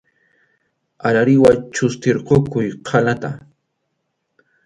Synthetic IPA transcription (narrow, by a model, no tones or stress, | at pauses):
aɾaɾɪwat͡ʃʊst̪eɾqokʊjqʰalat̪a̰